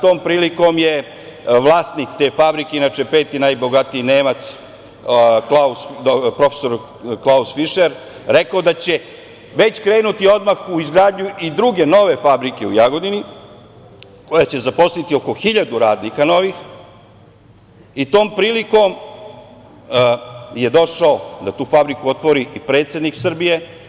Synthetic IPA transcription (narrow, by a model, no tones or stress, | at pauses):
t̪o̞ːmpɾiːliko̞mje̞ | ʋlˠaːst̪nikt̪e̞ːfabɾikeinat͡ʃepe̞ːt̪inajbo̞ɡat̪iːneːmat̪s | klauspɾo̞feso̞ɾ | klˠausfiʃeɾ | ɾe̞kaod̪at͡ɕe̞ | ʋe̞t͡ɕkɾe̞ːnut̪io̞d̪maxuizɡɾaːd̪ɲuid̪ɾuɡe̞no̞ʋe̞fabɾike̞ujaɡo̞d̪ini | ko̞jat͡ɕe̞zapo̞slit̪io̞ko̞xiʎad̪uɾaːd̪nikano̞ʋix | it̪o̞ːmpɾiːliko̞m | je̞d̪o̞ʃaod̪at̪uːfabɾikuo̞t̪ʋo̞ɾiʔipɾe̞ːt̪sje̞d̪niksr̩bije̞